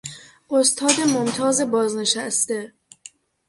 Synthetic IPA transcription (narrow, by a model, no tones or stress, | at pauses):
ʔost̪ʰɒːd̪e̞momt̪ʰɒːze̞bɒːzne̞ʃæst̪e̞